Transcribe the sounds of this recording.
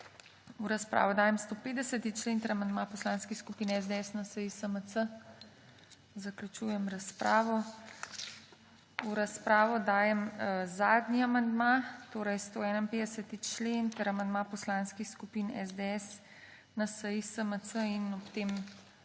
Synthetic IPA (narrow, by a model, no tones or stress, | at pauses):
uɾaspɾʔa̰ːʋɔd̪aːjɛmst̪oːpeːd̪ɛsət̪it͡ʃleːnt̪ɛɾamand̪mapɔslaːnskixskupiːnɛzd̪eɛsnasəjisəməsə | zɐklʲut͡ʃuːjɛmɾɐspɾaːʋɔ | uɾaspɾaːʋɔd̪aːjɛmzaːd̪niamand̪mat̪oːɾɛjst̪oːɛːnainpeːd̪ɛsət̪it͡ʃlent̪əɾamand̪mapɔslanskixskupiːnɛ̰zd̪eɛs | nasəjisəmət͡s̪səinɔpt̪em